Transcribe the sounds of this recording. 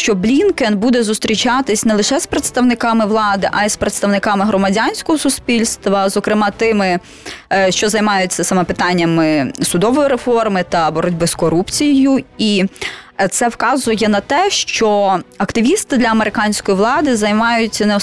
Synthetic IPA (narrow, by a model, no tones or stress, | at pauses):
ʃt͡ʃɔblʲinkɛnbud̪ɛzʊst̪ɾʲit͡ʃɑt̪ɪsʲnɛlˠɪʃɛspɾet̪st̪ɐwnɪkɑmɪʋlˠɑd̪ɪʔɑjispɾet̪st̪ɐʋnɪkɑmɪɦɾɔmɐdʲanʲsʲkɔɦɔsʊspʲilʲst̪ʋɐzɔkɾɪmɑt̪ɪmɪ | ʃt͡ʃɔzɐjmɑjʊt͡sʲːɐsɐmɛpɪt̪ɑnʲːɐmɪsʊd̪ɔʋɔjiɾefɔrmɪt̪ɐbɔɾɔdʲbɪskɔɾupt͡sʲijjʊi | t̪sɛwkɑzʊjɛnɐt̪ɛʃt͡ʃɔɐkt̪ɪʋʲist̪ɪd̪lʲɐɐmeɾɪkɑnʲsʲkɔjiʋlˠɑd̪ɪzɐjmɑjʊt͡sʲːɐnɛɔ